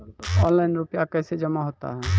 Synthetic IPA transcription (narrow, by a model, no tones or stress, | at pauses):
ɔ̃nlajnɾupjakəsed͡ʒəmaɦot̪a̰ɦɛ